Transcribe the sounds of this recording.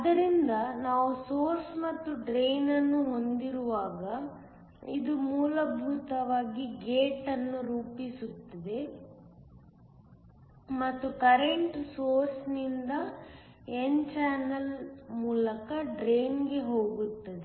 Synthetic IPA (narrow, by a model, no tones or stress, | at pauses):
ɐd̪ɐɾind̪ɐnaːʋusoːɾsmɐt̪ːuɖɾe̞jnɐnːuɦo̞nd̪iɾuʋaːɡɐ | id̪umuːlɐbʱut̪ɐʋaːɡiɡeːʈɐnːuɾuːpisut̪ːɐd̪e̞ | mɐt̪ːukɐɾeɳʈsoːɾsnind̪ɐ | ent͡ʃaːnɐlmuːlɐkɐɖɾejnɡe̞ɦo̞ːɡut̪ːɐd̪e